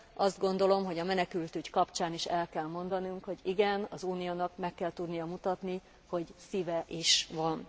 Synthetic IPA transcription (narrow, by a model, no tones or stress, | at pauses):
ɒzd̪̚ɡo̞nd̪o̞lo̞mɦo̞ɟɒmɛnɛkylt̪yɟkɒpt͡ʃaːniʃɛlkɛlmo̞nd̪ɒnuŋkho̞ɟiɡɛnɒzuːnijoːnɒkmɛkːɛlt̪ud̪nijɒmut̪ɒt̪ni | ho̞ɟsiːvɛʔiʃʋɒn